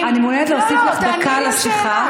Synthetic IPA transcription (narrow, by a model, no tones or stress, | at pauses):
animoned̪leosiflaχd̪akʰalasiχa